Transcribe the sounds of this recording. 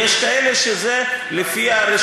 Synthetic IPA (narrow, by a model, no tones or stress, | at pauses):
eʃkaeleʃezelefiaɾe